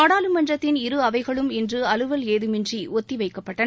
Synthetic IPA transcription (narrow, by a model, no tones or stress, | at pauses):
aːɽaːlɯmɐnrɐt̪ːɪnɪɾɯɐʋɐɪɣɐɭɯmɪndrɯɐlɯʋɐleːðɯmɪndriɔt̪ːiʋɐɪkːɐpːɐʈːɐ